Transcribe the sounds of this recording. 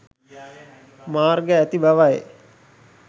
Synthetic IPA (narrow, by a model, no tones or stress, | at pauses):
maːrɡəæt̪ibaʋaje